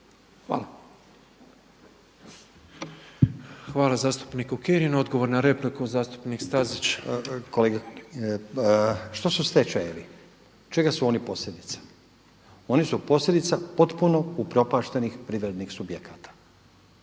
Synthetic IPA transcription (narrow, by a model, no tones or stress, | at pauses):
xa̰ːla | xʋaːlˠazaːst̪u̥pnikukeɾino̞d̪ɡo̞ʋo̞ɾnaɾe̞plikuzaːst̪u̥pnikst̪azit͡ʃkoleɡa | ʃt̪osust̪et͡ʃeeli | t͡ʃe̞ɡasuo̞nipo̞slʎʲe̞d̪it̪sḁ | o̞nisupo̞sʎʲed̪it̪sapo̞t̪puno̞upɾo̞paːʃt̪e̞nixpɾiʋɾe̞d̪nixsubje̞kʰat̪ḁ